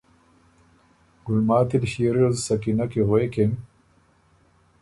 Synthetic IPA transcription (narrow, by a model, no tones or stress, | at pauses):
ɡ̥ulmaːt̪id̪ɕiɾozsɐkinɐkeɦoekem